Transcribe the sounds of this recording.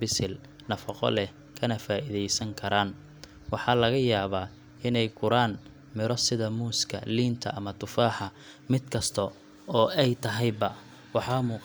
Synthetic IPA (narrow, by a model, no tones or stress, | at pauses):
bɪsɪl | nɐfɑqɔ̰lɛh | kʰɐnɐfaːʔiðɛjsɐŋkʰɐɾaːn | wɑħɑlɐɣɐjaːβaː | ɪnɛjkʰʊɾaːn | mɪɾɔsɪðɐmuːskʰɐ̰liːnt̪ʰɐ̰ʔɐmɐt̪ʰʊfaːħɑ | mɪd̪kʰɐst̪ʰɔ | ɔːɛjt̪ʰɐɦɛjbɐ | wɑħɑːmuːq